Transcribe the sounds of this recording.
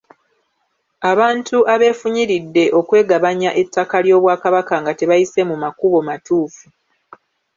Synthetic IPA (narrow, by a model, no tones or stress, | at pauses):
aβaːntʰuʔaβe̞ːfuɲiɾidːe̞ʔo̞kwe̞ːɡaβaɲaʔe̞tːakaljo̞ːβwaːkaβakaŋɡate̞βajise̞mumakuβo̞matuːfu